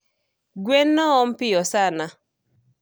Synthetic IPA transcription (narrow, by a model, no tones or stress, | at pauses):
ɡwen̩ːɔɔm̩pijɔsana